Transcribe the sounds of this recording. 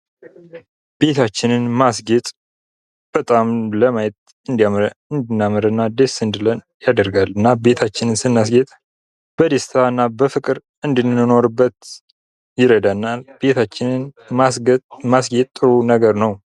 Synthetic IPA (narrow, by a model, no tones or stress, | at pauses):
b̥e̞t̪ʰat͡ʃːɪnɨnmasɡet̪ʼ | b̥ət̪ʼamləmajɛt̪ | ɨnd̪ijamɾəɨnd̪ɨnːamɨɾənːad̪esɨnd̪ɨlən | jad̪əɾɡalɨnːabe̞t̪ʰat͡ʃːɪnɨnsɨnːasɡet̪ʼ | b̥əd̪est̪ʰaɨnːabəfɨkʼɨɾ | ɨnd̪ɨnːɨno̞ɾɨbːət̪ | jɪɾəd̪anːalb̥e̞t̪ʰat͡ʃːɪnɨn | asɡmasɡet̪ʼːɨɾunəɡəɾnəw